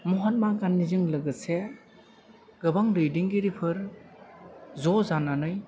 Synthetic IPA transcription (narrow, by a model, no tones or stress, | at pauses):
mɔɦat̚maɡanːizɯŋlɯɡɯse | ɡɯbaŋlɯjdiŋɡiɾipʰɯɾ | zɔzananɯj